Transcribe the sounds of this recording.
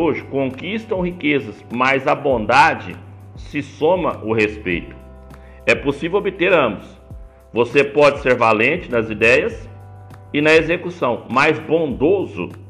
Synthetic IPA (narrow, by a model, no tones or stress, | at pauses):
oʒɪkõkist̪ɐ̃w̃ɦikezɐsmajzɐbõnd̪ad͡ʒɪ̰ | sɪsõmɐʔʊhespḛjt̪ʊ̥ | ɛposivewobɪt̪eɾɐ̃mbʊs | vosepɔd͡ʒɪseɾvalẽnt͡ʃɪnɐzid̪ɛjɐs | ɪnɐezekusɐ̃w̃majzbõnd̪ozʊ̰